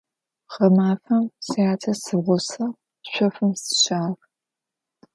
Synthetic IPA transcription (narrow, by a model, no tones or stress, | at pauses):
ʁɐmaːfɐmsɐjaːt͡sʰɐsɨʁʷɔsɐ | ɕʷɔfɨmsɨ̥ɕaːr